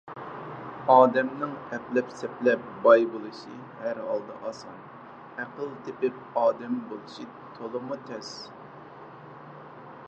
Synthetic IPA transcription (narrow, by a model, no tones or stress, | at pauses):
ɑːd̪ɛmnɪŋɛplɛpsɛplɛp̚bɑjbolˠɨʃi | hæɾɦɑ̰lˠd̪ɨ̰ʔɑsɑ̰n | æqəlˠt̪ʰɪpɪp̚ | ɑːd̪ɛmbolˠɨʃi | t̪ʰolˠɨmut̪ʰɛs